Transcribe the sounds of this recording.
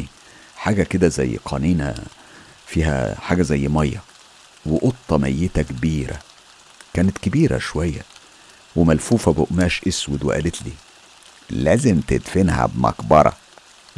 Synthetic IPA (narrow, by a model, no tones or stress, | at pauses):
i | ħaːɡæked̪æzæjːqʰɑːniːnæ̰ | fiːhæ̰ħaːɡæzæjːmɑjːɑ | weʔot̪ˤːɑmæjːet̪ækebiːɾæ̰ | kæːnet̪kebiːɾæ̰ʃowæjːæ | wemælfuːfæboʔmæːʃʔeswed̪wḛʔæ̰let̪liː | læːzemt̪ed̪fenhæ̰bmɑ̰kbɑɾˤɑ̰